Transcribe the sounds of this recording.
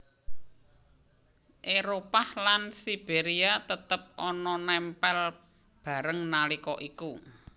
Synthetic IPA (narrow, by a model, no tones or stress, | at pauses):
ʔeɾopahlansib̥eɾiat̪ət̪əp̚ʔɔnɔnɛmpɛl | b̥a̤ɾəŋnalikɔʔiku